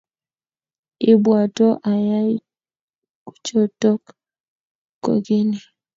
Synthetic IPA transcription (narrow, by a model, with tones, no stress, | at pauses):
ɪ˦bwa˨tɔ˦ʔa˨ja˦ | ku̥˦t͡ʃo˦tɔ˦k | ko̰˨ɡɪ˦ni˨